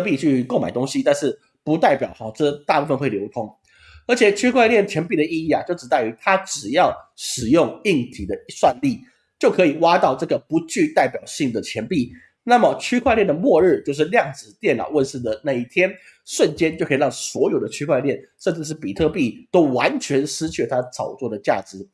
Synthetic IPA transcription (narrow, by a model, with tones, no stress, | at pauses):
pi˥˧t͡ɕʰy˥˧ko˥˩ʊma˨˩ɪt̪ʊ˥ŋɕi˥t̪a˥˧nʂɻ̩˥˩ | pu˧˥t̪a˥˩ɪpjɑ˨˩ʊxɔ˥˧˩ʈ͡ʂɤ˥˧t̪a˥˧pu˥˧fə˨nxwe˥˩ɪjo˧˥ʊkʰʊ˥ŋ | ə˞˧˥t͡ɕʰjɛ˨˩t͡ɕʰy˥kʰwa˥˧ɪljɛ˥˩nt͡ɕʰjɛ˧˥npi˥˩d̪ə˩i˥˧i˥˩a˨˩t͡ɕjo˥˩ʊʈ͡ʂ̩̪˨˩a˥˩ɪy˧˥t̪ʰa˥ʈ͡ʂɻ̩˨˩jɑ˥˩ʊʂɻ̩˨˩jʊ˥˧ŋi˥˩ŋt̪ʰi˨˩d̪ə˦swa˥˧nli˥˩ | t͡ɕjo˥˩ʊkʰɤ˧˥i˨˩wa˥t̪ɑ˥˧ʊʈ͡ʂɤ˥˩ɡə˩pu˧˥t͡ɕy˥˧t̪a˥˩ɪpjɑ˨˩ʊɕi˥˩ŋd̪ə˩t͡ɕʰjɛ˧˥npi˥˩ | na˥˩mə˩t͡ɕʰy˥kʰwa˥˧ɪljɛ˥˩nd̪ə˩mwɔ˥˧ɻɻ̩˥˧t͡ɕjo˥˧ʊʂ̬ɻ̩˥˧ljɑ˥˩ŋʈ͡ʂɻ̩˨˩t̪jɛ˥˩nlɑ̰˨˩ʊwə˥˧nʂ̩˥˩d̪ə˩na˥˧i˥˩t̪ʰjɛ˥n | ʂwə˥˩nt͡ɕjɛ˥nt͡ɕjo˥˩ʊkʰi˨˩˥ɑ˥˩ŋswɔ˧˥jo˨˩ʊd̪ə˦t͡ɕʰy˥kʰwa˥˧ɪljɛ˥˩nʂə˥˧nʈ͡ʂɻ̩˥˧ʂ̬ɻ̩˥˩pi˨˩t̪ʰɤ˥˧pi˥˩t̪o˥ʊwa˧˥nt͡ɕʰɥɛ˧˥nʂɻ̩˥t͡ɕʰy˥˩t̪ʰa˥t͡sʰɑ˨˩ʊt͡swɔ˥˩ɾə˩t͡ɕja̰˥˩ʈ͡ʂɻ̩˧˩˦